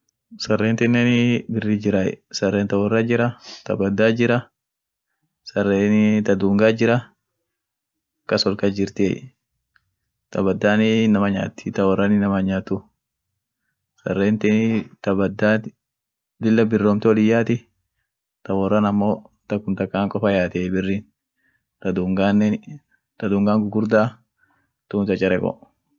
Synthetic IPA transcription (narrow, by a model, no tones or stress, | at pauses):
sɐrːeːnt̪ɪnːeːnɪbɪrːɪd͡ʒɪɾɐɛ̰sɐrːeːnt̪ɐwɔrːɐd͡ʒɪɾɐt̪ɐ̰bɐd̪ːaːd͡ʒɪɾɐ | sɐrːeːnɪt̪ɐd̪uːŋɡaːd͡ʒɪɾɐ | kɐsɔlkɐd͡ʒɪɾt̪e | t̪ɐbɐd̪ːaːnɪnɐmɐɲa̰ːt̪ːɪt̪ɐwɔrːɐnɪnɐmɐɲaːt̪ʊ | sɐ̰rːeːnt̪ɛnt̪ɐbɐd̪aːt | d̪ɪlːɐbɪrːoːmt̪ɪɔlɪjːaːt̪ɪ | t̪ɐwɔrːɐnɐmːoː | t̪ɐkːʊnt̪ɐkʼːaːŋkʼɔfɐjaːt̪eːbɪrːiːn | t̪ɐd̪uːŋɡan | t̪ɐd̪uːŋɡaːŋɡʊɡʊɾd̪aː | t̪ʊːmt̪ɐt͡ʃʼɛɾɛkʼɔ̰